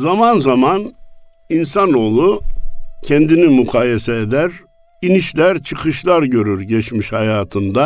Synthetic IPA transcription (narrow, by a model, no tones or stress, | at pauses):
zamanzaman | insano̞ːlˠu | cʰɛnd̪inimykʰaːjesɛed̪æɾ | iniʃlʲæɾt͡ʃʰɯkʰɯʃlˠaɾɟø̞ɾyɾɟɛt͡ʃmiʃhajaːt̪ʰɯnd̪a